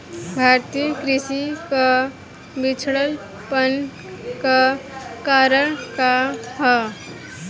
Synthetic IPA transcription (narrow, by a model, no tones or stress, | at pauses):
bʱaːɾt̪ijəkɾɪsika | bit͡ʃʰɽəl | pən | kakaɾəɽ̃kaɦɔ